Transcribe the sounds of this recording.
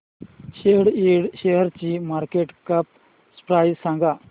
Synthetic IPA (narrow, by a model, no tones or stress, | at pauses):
ʃeɦɽiɽɕeɦəɾt͡ɕimaːɾkeʈkɐp̚ | spɾaːjzsãŋɡa